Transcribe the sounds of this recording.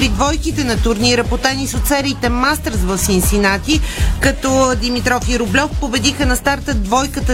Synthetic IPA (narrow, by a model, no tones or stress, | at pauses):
ɾid̪vɔjkit̪ɛnɐt̪ʊɾniɾəpot̪anisot̪sɛɾit̪ɛmast̪əɾzvəsinsinat̪ikɐt̪ɔd̪imit̪ɾɔfiɾʊblʲɔfpobɛd̪ixənɐst̪aɾt̪əd̪vɔjkət̪ə